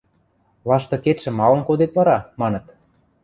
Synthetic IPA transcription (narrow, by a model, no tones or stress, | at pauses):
βɑʃt̪ɤ̆ket̪ʃɘ̆mɑlɤ̆nkod̪et̪βɑɾɑmɑnɤ̆t̪